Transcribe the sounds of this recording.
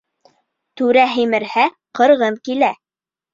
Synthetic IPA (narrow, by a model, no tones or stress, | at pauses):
t̪ʉɾæɦimɘ̆ɾhæ | qɤ̆ɾʁɤmkilæ